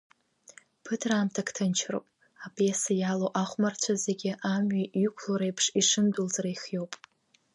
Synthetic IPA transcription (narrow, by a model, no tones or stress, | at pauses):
pʰɨtʰraːmtʰakʰtʰɨnt͡ʃʰro̰wpʼ | apʰʼjesajalowʔaχʷmart͡ɕʷʰazeɡʲɪʔamɥaykʷʰloɾejpʰʂiʂɨndulzaɾajχjo̞wpʼ